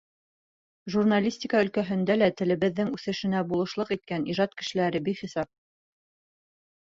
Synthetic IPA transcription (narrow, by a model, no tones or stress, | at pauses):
ʒurnalʲisʲtʲikɑɵ̆lkæɦɵ̆nd̪ælæt̪ɘ̆lɘ̆βɘ̆ðːɘŋʉθɘ̆ʃɘ̆næbulˠɤ̆ʃlˠɤqit̪̚kæniʒɑt̪kɘ̆ʃɘ̆læɾɘbiχisɑp̚